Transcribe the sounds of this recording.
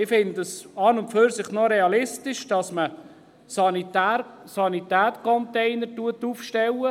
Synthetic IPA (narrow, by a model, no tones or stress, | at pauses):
ɪfɪnd̪əsɑːnʊnpføɾsɪχnoɾɛɑlɪstɪʃd̥ɑsmə | sɑnitːsɑnit̪æːtkʰɔnt̪ɛɪnəɾtuət̪ːufʃtɛwə